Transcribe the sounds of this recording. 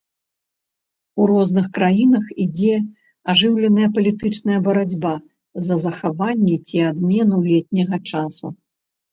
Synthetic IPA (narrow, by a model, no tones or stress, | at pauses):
uɾɔznɨxkɾajinɐxid͡zʲɛ | aʐɨwlʲɛnɐjɐpɐlʲit̪ɨt͡ʂnɐjɐbɐɾad͡zʲba | zɐzɐxavanʲːɛt͡sʲiad̪mʲɛnulʲɛtʲnʲɐɣɐt͡ʂasṵ